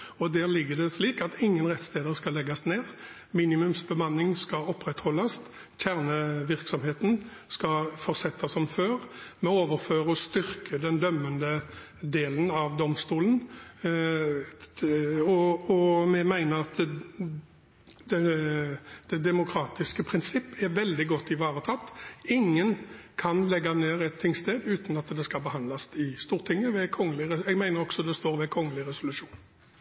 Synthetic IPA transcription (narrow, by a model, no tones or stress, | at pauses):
ɔd̪æːʁlɪɡːəd̪ɛsliːkɑt̪ɪŋːənʁɛt̪st̪eːd̪əɾskɑlɛɡɑsneːʁ | miːnɪmʉmsbəmɑnːɪŋskɑɔpːʁɛt̪hɔlːɑst̪ | çʰæʁnəʋɪʁksɔmheːt̪n̩ | skɑfɔʁsɛt̪ʰːɑsɔmføːɾmɛoːʋəɾføːɾəɔst̪ʏɾkʰəd̪ɛnd̪œmːənd̪ə | d̪eːlənɑʋd̪ɔmst̪uːlən | ɔɔmɛmæɪnəɾɑt̪ | d̪ɛ | d̪̥ɛd̪ɛmʊkʰɾɑːt̪ɪskəpʰɾɪnsɪpːɛʋɛld̪ɪɡɔt̪ːɪʋɑːʁət̪ʰɑt̪ːɪŋːənkʰɑnlɛɡːɑneːɾɛt̪ʰːɪŋst̪eːd̪ʉːt̪n̩ɑt̪d̪ɛskɑlbəhɑnlɑsɪst̪uːʁt̪ʰɪŋːəʋɛkʰɔŋːəlɪɾɛɛɡmæɪnəɾɔɡ̥sɔd̪ɛst̪oːɾʋɛkʰɔŋːəlɪʁɛsʊlʉʂuːn